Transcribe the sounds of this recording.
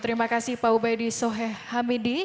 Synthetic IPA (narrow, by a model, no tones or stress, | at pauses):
t̪əɾimakasɪhpaubajdisɔɦɛhamidi